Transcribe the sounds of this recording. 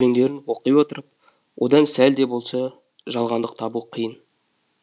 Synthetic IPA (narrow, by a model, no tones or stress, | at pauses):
e̞ŋd̪e̞ɾɪnwo̞qəjwo̞t̪əɾəp̚ | wʔo̞̰d̪ɑnsæld̪e̞bo̞lˠsɑ | ʒɑlˠʁɑnd̪əq̚t̪ʰɑbuqʰəjən